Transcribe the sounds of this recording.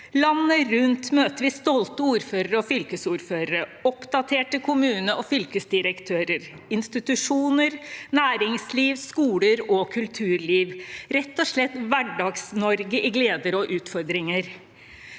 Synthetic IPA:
lɑnːəɾʉnt̪møːt̪əɾʋɪst̪ɔlt̪əuːɾføːɾəɾəɔfʏlkəsuːɾføːɾəɾəɔpd̪ɑt̪ʰeːʈəkʰʊmʉːnəɔfʏlkəsd̪ɪɾəkt̪ʰøːɾəɾ | ɪnst̪ɪt̪ʉʂuːnəɾnæːɾɪŋsliːʋskuːləɾɔkʰʉlt̪ʰʉːɾɭiːʋɾɛt̪ːɔʂɭɛt̪ʋæɖɑɡsnɔɾɡəʔɪɡleːd̪əɾɔʔʉːt̪fɔɾd̪ɾɪŋəɾ

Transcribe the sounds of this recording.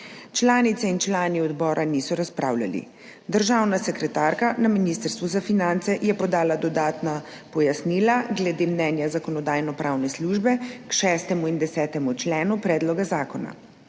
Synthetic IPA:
t͡ʃlaːnit̪sɛint͡ʃlaːniɔd̪bɔːɾʔanisɔɾaspɾa̰ːwla̰lḭ | d̪əɾʒaːwnasɛkɾɛt̪aɾkanaminist̪əɾst̪ʋuzafinant̪sɛjɛpɔd̪aːlad̪ɔd̪aːt̪na | pɔjasniːlaɡlɛd̪eːmnɛːnjazakɔnɔd̪aːjnɔpɾawnɛsluːʒbɛkʃɛːst̪ɛmuind̪ɛsɛːt̪ɛmut͡ʃlɛːnupɾɛːd̪lɔɡazaːkɔna̰

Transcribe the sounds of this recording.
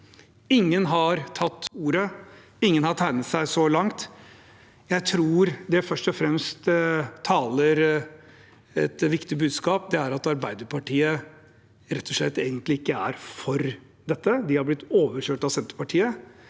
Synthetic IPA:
ɪŋːənɦɑɾt̪ʰɑt̪ːuːɾə | ɪŋːənhɑʈ̪ʰæɪnət̪sæɪsɔlɑŋt̪ | jæɪt̪ʰɾuːɾd̪ɛfœʂʈɔfɾɛmst̪ʰɑːləɾ | ɛ̰t̪ʋɪkt̪ɪbʉːd̪skɑːp̚d̪ɛæɾɑt̪ɑɾbæɪd̪əɾpʰɑʈʰiːə | ɾɛt̪ʰːɔʂɭɛt̪ːeːɡənt̪lɪɪkːəæ̰ɾfɔɾ | d̪ɛt̪ːəd̪ɪhɑɾblɪt̪ːoːʋəɾʂøːʈɑʋsɛnt̪ə̥ɾpɑʈʰiːə

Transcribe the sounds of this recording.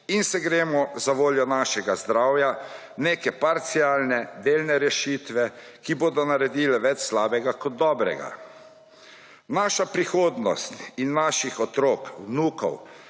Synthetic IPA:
insɛɡɾeːmɔzaʋoːljɔnaːʃɛɡazd̪ɾaːwja | neːkɛpaɾt̪siaːlnɛd̪eːlnɛɾɛʃiːt̪ʋɛ | kiboːd̪ɔnaɾɛd̪iːlɛʋɛt͡ʃslaːbɛɡakɔd̪̚ːɔːbɾɛ̰ɡa̰ | naːʃapɾixoːd̪nɔ̰st̪inːaːʃixɔt̪ɾoːkwnuːkɔ̰w

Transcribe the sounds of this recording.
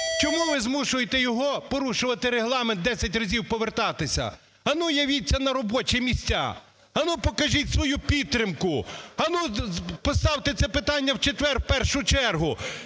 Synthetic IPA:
t͡ʃɔmuʋɪzmuʃʊjet̪ɛjɔɦɔpɔɾuʃʊʋɐt̪ɪɾeɦlˠɑment̪d̪ɛsʲɐtʲrɐzʲiwpɔʋert̪ɑt̪ɪsʲɐ̰ | ɐnujɐʋʲitʲːɐnɐɾɔbɔt͡ʃimʲisʲtʲa̰ | ɐnupɔkɐʒʲitʲsʋɔjupʲit̪ːɾʲɪmkʊɐnupɔst̪ɑwt̪et̪sɛpɪt̪ɑnʲːɐwt͡ʃet̪ʋɛrpɛrʃʊt͡ʃɛrɦʊ

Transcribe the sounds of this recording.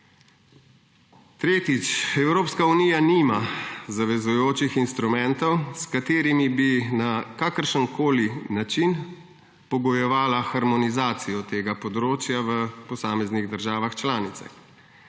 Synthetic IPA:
t̪ɾeːt̪it͡ʃɛwɾoːpskaunijaniːmazaʋɛzujoːt͡ʃixinst̪ɾumɛ̃nt̪ɔwskat̪eːɾimibinakakəɾʃənkoːlinat͡ʃin | pɔɡɔjɛʋaːlaxaɾmɔnizaːt̪sijɔt̪eːɡapɔd̪ɾoːt͡ʃjaʋəpɔsaːmɛzniɣd̪əɾʒaːʋaxt͡ʃlaːnit̪sa̰x

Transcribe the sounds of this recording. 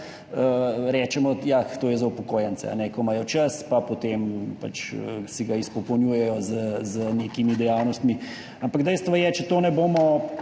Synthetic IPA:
əɾɛːt͡ʃɛmɔjat̪oːjɛzaupɔkoːjɛnt̪sɛ̰a̰nɛkɔmaːjɔt͡ʃaspapot̪empa̰t͡ʃəsɛɡaispɔkɔnjuːjɛjɔzəzənekimid̪ɛjaːwnɔst̪mi | ampaɡd̪ɛjst̪ʋajɛt͡ʃɛt̪oːnɛboːmɔ

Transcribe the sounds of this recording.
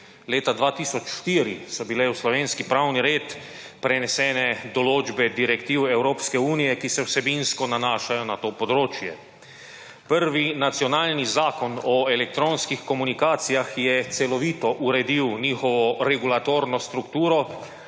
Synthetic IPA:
leːt̪ad̪ʋaːt̪iːsɔt͡ʃʃt̪iːɾisɔbilɛwslɔʋeːnskipɾawniɾeːt̪ | pɾɛnɛsɛːnɛd̪ɔloːd͡ʒbɛd̪iɾɛkt̪iːwɛwɾoːpskɛuːnijɛkisɛwsɛbinskɔnanaːʃajɔnat̪oːpɔd̪ɾoːt͡ʃjɛ | pəɾʋinat̪sjɔnaːlnizaːkɔnɔɛlɛk̚t̪ɾoːnskixkɔmunikaːt̪sijaxjɛt̪sɛlɔʋiːt̪ɔʔuɾɛd̪iwniːxɔʋɔɾɛɡulat̪oːɾnɔst̪ɾukt̪uːɾɔ

